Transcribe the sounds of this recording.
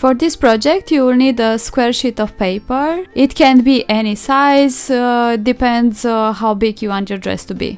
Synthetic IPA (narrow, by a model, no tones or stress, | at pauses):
fɔɾd̪ispɾɔd͡ʒɛk̚ʈʰjuɪlnidəskweːɾʃitɔfpeɪpəɾʔɪtkɛ̃nbiʔɛnisaɪzɖipɛ̃nɖzɦaʊbiɡjuwɔ̃ntjɔdɾɛ̰stubḭ